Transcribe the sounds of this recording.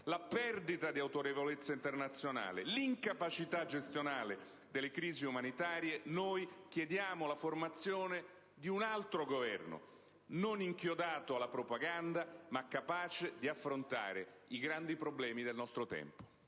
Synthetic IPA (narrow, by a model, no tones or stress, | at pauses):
lapɛrd̪it̪ad̪iawt̪oɾevolet̪sːaint̪ernat̪sːjona̰ːleliŋkapat͡ʃit̪ad͡ʒest̪jonaːle | d̪elːekɾiːziumanit̪aːɾjenojkjed̪jaːmolaformat̪sːjoːne | d̪iunalt̪ɾoɡovɛ̰rno̰ | noniŋkjod̪aːt̪oalːapɾopaɡand̪amakːapaːt͡ʃed̪iafːɾont̪a̰ːɾe | iɡɾand̪ipɾoblɛːmid̪elnɔst̪ɾot̪ɛ̰mpo̥